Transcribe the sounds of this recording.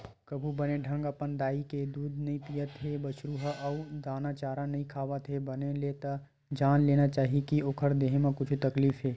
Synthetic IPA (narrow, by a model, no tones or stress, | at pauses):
kɐbʱubɐneɖʱɐ̃ŋɡɐpənd̪aːiked̪uːd̪nɐɦĩpijət̪ɦebɐʃɾuːɦəʔɔʊd̪aːnat͡ʃaːɾãnɐɦĩkʰaːʋət̪ɦebɐnelet̪a | d͡ʒaːnleːnat͡ʃaːɦikioːkʰəɾd̪eːɦẽmãkʊt͡ʃʰt̪ɐkliːfɦeː